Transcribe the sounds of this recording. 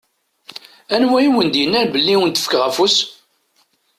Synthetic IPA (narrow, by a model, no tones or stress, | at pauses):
ænwæjiwənd̪jənːæɾbəlːiwənt̪ə̥fkʁæfus